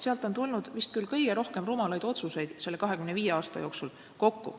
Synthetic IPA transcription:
seɑlt̪ˑo̞nt̪ulnud̪̥vist̪̚kylkɤ̞jɡ̥e̞ɾo̞hke̞mrumɑlɑjd̪o̞t̪suse̞jd̪̥se̞lːe̞kɑɦekymneviːje̞ɑːst̪ɑjo̞ːksul | ko̞kːṵ

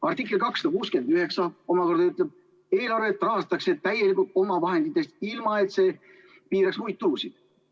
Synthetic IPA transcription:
ɑrt̪ikˑːelkɑksːɑ̥d̪ɑkuːske̞nd̪yɦe̞ksɑo̞mɑko̞rd̪̥ɑyt̪ˑleb̥̚ | e̞ːlɑrveːt̪ːˑrɑɦɑst̪ɑkse̞t̪æjelikult̪̚ˑo̞mɑvɑɦe̞nd̪it̪ːˑe̞st̪̚ilmɑe̞t̪se̞ː | piːɾɑksmujd̪̚t̪ːuɾusid̪̥

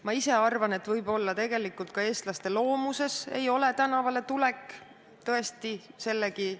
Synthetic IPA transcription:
mɑise̞ɑrvɑne̞t̪vɤjbo̞lːɑt̪e̞ɡe̞likːˑult̪̚kɑe̞ːst̪lɑst̪e̞lo̞ːmuse̞se̞̰jo̞le̞t̪ænɑvɑle̞t̪ule̞kːˑ | t̪ɤe̞st̪ise̞lːeki

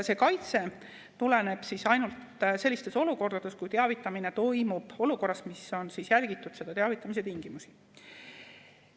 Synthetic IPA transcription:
se̞kɑjt̪se̞ | t̪ulene̞b̥sisɑjnult̪ | se̞lːist̪e̞so̞luko̞rd̪ɑd̪̥e̞skujt̪eɑvit̪ˑːɑmine̞t̪o̞jmub̥o̞luko̞rːɑsmiso̞nsisjælɡ̥it̪ːˑud̪̥se̞d̪̥ɑt̪eɑvit̪ːˑɑmis̬e̞t̪iŋɡ̥imusi̥

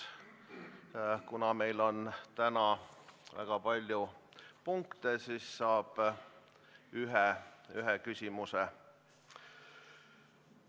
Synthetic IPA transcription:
kunɑme̞jlo̞nt̪ænɑvæ̰ɡ̥ɑpɑlʲjupuŋkt̪esisːɑːb̥ | yɦɛyɦɛkysʲimuse

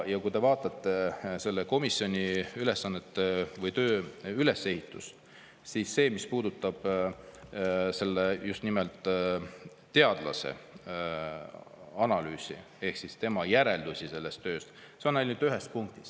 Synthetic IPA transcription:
jɑkujd̪e̞vɑːt̪ˑɑt̪ːˑe̞se̞lːeko̞misjo̞nʲiyle̞sːɑnːet̪ːevɤjt̪øːyle̞se̞hit̪ːˑus | siːsːe̞ːmispuːd̪ut̪ˑːɑb̥ | se̞lːejust̪nimelt̪ːˑ | e̞ɑd̪̥lɑ̰sḛ | ɑnɑlyːsḭ | e̞hksist̪e̞mɑjæɾe̞ld̪̥usʲise̞lːe̞st̪ːø̞ːst̪ | seonejlnyːd̪yɦe̞spuŋk̚t̪i̥s

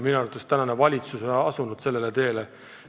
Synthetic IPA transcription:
minueɾut̪ːˑest̪ænɑnevɑlʲit̪susoɑsunud̪̥se̞lːelet̪e̞ːle

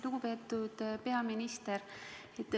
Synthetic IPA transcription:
luɡ̥upe̞ːt̪ːud̪̥pe̞ɑminist̪eɾ | et̪ːˑ

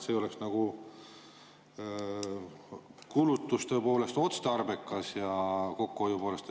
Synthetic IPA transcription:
se̞jo̞leksnɑɡ̥u | kulut̪ːˑust̪ø̞epo̞ːle̞st̪o̞t̪st̪ɑrbe̞kːˑɑsjɑko̞kːuojupo̞ːlest̪

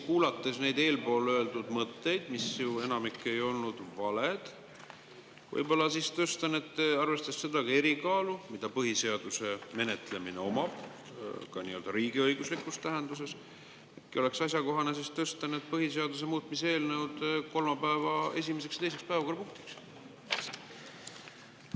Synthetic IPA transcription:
kuːlɑt̪ːe̞sne̞jd̪e̞ːlpo̞ːløeld̪ud̪̥mɤt̪ːe̞jd̪̥misjue̞nɑmikːˑe̞jo̞lnud̪̥vɑled̪̥ | vɤ̰jbo̞lːɑsist̪ɤst̪ɑne̞t̪ːɑrve̞st̪ɑsːe̞d̪̥ɑkɑe̞ɾikɑːlumid̪̥ɑpɤɦise̞ɑd̪̥use̞me̞ne̞t̪ˑle̞mineo̞mɑb̥ | kɑniːe̞ld̪ɑɾiːɡ̥iɤjɡuslikːˑust̪æɦe̞nd̪us̬e̞s | ekio̞le̞ksɑs̬ʲjɑko̞ɦɑnesist̪ɤst̪ɑnet̪̚pɤɦise̞ɑd̪us̬e̞muːt̪ˑmise̞ːlne̞wd̪ko̞lmɑpæevɑe̞̰s̬ʲimeseksjɑt̪ese̞kspæevɑko̞rpuŋk̚t̪iks

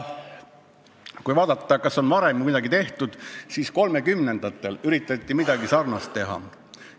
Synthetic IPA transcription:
kujvɑːd̪̥ɑt̪ˑːɑkɑso̞nvɑɾe̞mkud̪ɑɡit̪e̞ht̪ud̪̥siːsko̞lme̞kymne̞nd̪̥ɑt̪ːˑe̞lyɾit̪ːˑɑt̪ʲˑːimid̪̥ɑɡisɑrnɑst̪ːe̞ɦɑ̰

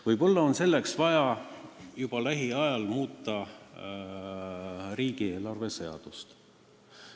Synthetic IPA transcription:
vɯjbɑlːɑo̞nse̞lːeksvɑjɑ | jub̥ɑlæɦiɑjɑlmuːt̪ːˑɑ | ɾiːɡ̥ieːlɑrve̞se̞ɑ̰d̪̥ust̪

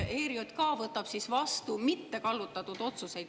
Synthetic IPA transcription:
e̞ːɾiot̪kɑːvɤt̪ːˑɑb̥sisvɑst̪umit̪ːe̞kɑlːut̪ːˑɑt̪ːud̪̥o̞t̪suse̞jd̪̥

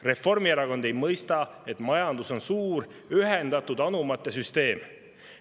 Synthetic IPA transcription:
re̞fo̞rmieɾɑko̞nd̪̥e̞jmɤjst̪ɑ | e̞t̪mɑjɑnd̪uso̞nsuːɾ | yɦend̪̥ɑt̪ud̪̥ɑnumɑt̪ːˑe̞syst̪e̞ːm

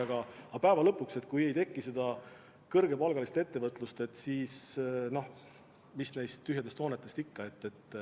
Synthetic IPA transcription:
ɑɡ̥ɑɑpæevɑlɤpːˑukse̞t̪kuje̞jt̪e̞kːise̞d̪̥ɑ | kɤrɡe̞pɑlɡ̥ɑlist̪e̞t̪ːe̞vɤt̪ˑlust̪e̞t̪ːˑsiːsno̞h | misnejst̪t̪ːyɦjed̪̥est̪ho̞ːnet̪ːˑe̞st̪ikːɑe̞t̪ːe̞t̪ːˑ

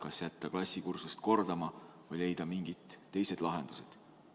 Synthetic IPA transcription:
kɑsjæt̪ːˑɑklɑsʲːikursust̪̚ko̞rd̪̥ɑmɑ | vɤjle̞jd̪̥ɑmiŋɡ̥it̪ːe̞jse̞d̪̥lɑɦe̞nd̪̥used̪̥

